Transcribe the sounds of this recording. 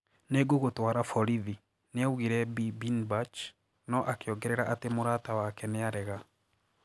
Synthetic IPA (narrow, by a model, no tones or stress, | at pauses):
neɡoɣotwaːɾafɔɾiði | neauɣiɾɛbibinbat͡ʃ | nɔʔakeɔɡɛɾɛɾaʔatemoɾatawakɛneaɾɛɣa